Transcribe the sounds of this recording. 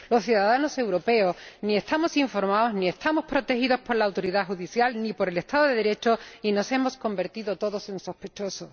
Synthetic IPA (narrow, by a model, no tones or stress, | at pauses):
lo̞sθjuðaðano̞se̞wɾo̞pe̞o̞snie̞st̪amo̞siɱfo̞ɾmaoznie̞st̪amo̞spɾo̞t̪e̞xiðo̞spo̞ɾlaːwt̪o̞ɾiðaxuðiθjalnipo̞ɾele̞st̪aðoðeðe̞ɾe̞t͡ʃo̞ino̞se̞mo̞sko̞mbe̞ɾt̪iðo̞t̪o̞ðo̞senso̞spe̞t͡ʃo̞so